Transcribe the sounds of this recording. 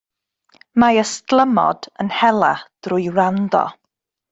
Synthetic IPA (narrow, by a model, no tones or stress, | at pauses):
majəstlˠəmɔ̰d̥ənhɛlˠad̥rʊjrandɔ̰